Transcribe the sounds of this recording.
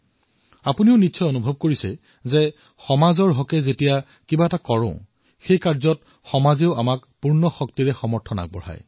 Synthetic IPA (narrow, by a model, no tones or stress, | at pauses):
apuniʊnitːsɔjonubʱɔb̚koɹisɛ̰ | zɛ | xɔmazɔɹɦɔkɛzetija | kibaɛtakɔɹʊ̰̃ʊ̃ | xejkaɹzɔt̚ | xɔmazeʊamakpuɹnɔxɔktiɹɛxɔmɔɹtʰɔna̰k̚bɔ̰ɹa̰j